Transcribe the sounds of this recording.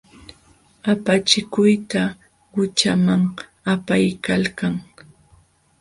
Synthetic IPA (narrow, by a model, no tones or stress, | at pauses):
apat͡ʃɪkʊjt̪a | ɢʊt͡ʃamaŋ | apajkalkaŋ